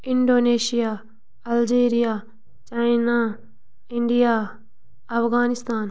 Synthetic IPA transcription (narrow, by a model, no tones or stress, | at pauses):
ɪɳɖoːneːʃijaː | ɐld͡ʒeːɾɪjaː | t͡ʃaːinaː | ɪɳɖijaː | ɐpʰɡaːnɪst̪aːn